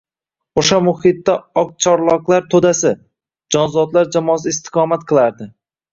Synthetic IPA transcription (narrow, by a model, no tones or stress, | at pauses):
oʃamʊhɪt̪ːaɒq̚t͡ʃʰɒɾlˠɒqlˠaɾt̪ʰod̪asɪ | d͡ʒɒnzɒd̪laɾd͡ʒamɒsɪɪst̪ʰɪ̥qʰɒmat̪̚qʰɨlˠaɾd̪ɪ